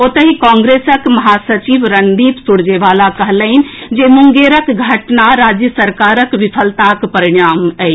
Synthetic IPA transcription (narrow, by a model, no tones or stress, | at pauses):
ot̪əɦikɔ̃ŋɡɾesəkməɦasət͡ʃiʋɾənd̪ipsuɽ̤d͡ʒeʋalakəɦləɦin̆d͡ʒemuŋɡeɾəkɡʱəʈnaɾad͡ʒjəsəɾkaɾəkʋipʰəlt̪akpəɾiɽ̃amɛ